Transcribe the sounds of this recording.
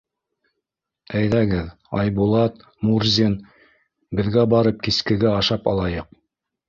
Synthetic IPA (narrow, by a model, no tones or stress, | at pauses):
æjðæɡɘð | ɑ̰jbulˠɑt̪ | muɾzʲin | bɘ̆ðɡæbɑɾɤp̚kiskɘ̆ɡæɑʃɑpɑ̰lˠɑjɤq̚